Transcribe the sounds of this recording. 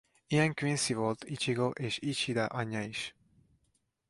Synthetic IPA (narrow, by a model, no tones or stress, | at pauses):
ijɛŋkʋinsivo̞lt̪it͡ʃiɡoʔeːʃit͡ʃid̪ɒʔɒɲːɒiʃ